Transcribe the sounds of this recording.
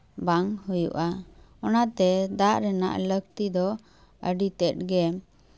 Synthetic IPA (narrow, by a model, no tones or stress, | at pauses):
baŋhujṵʔa | ɔnat̪ɛd̪aʔɾɛna̰ʔləkt̪id̪ɔ | əɖit̪ɛt̪̚ɡɛm